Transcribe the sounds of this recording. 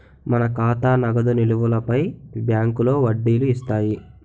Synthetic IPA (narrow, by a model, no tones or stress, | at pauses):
mɐnɐkaːt̪aːnɐɡɐd̪uniluʋulɐpɐjbjaːŋkulo̞ːʋɐɖːiːluist̪aːji